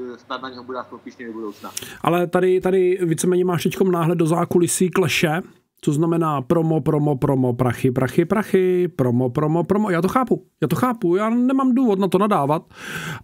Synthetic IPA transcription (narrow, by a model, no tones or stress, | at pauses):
st̪at̪naɲɛɦobudɛsopiːʃɲɛdobudowt͡snaʔa̰lɛt̪adɪt̪adɪviːt͡sɛmɛːɲɛmaːʃt̪ɛckomnaːɦlɛd̪̚dozaːkulɪsiːklɛʃɛ | t͡soznamɛnaːpɾomopɾomopɾomopɾaxɪpɾʔaxɪpɾaxɪpɾomopɾomopɾomojaːt̪oxaːpujaːt̪oxaːpujaːnɛmamduːvot̪nat̪onadaːvat̪